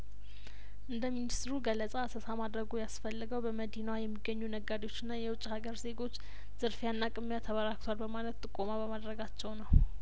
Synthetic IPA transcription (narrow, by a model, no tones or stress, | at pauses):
ʔɨnd̪əminist̪ɾuɡəlːəsʼasəsamad̪ɾəɡujasfəlːɨɡəwbəməd̪inajɛmːiɡːəɲːunəɡad̪ewo̞t͡ʃːɨnːajɛwʊt͡ʃʼːhaɡəɾze̞ɡo̞t͡ʃː | z̥ɨɾfjanːakʼɨmːjat̪ʰəβəɾak̚t̪ʰwalbəmalət̪t̪ʼɨkʼo̞maβəmad̪ɾəɡat͡ʃːɛwnəw